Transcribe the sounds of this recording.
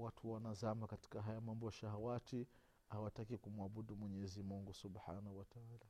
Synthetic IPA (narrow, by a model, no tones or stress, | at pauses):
watʰuwanazamakati̥kaɦajamambɔʃahawat͡ʃi | hawatakikumuaɓuɗumwɛɲɛzimuŋɡusubħaːnahuwataaːla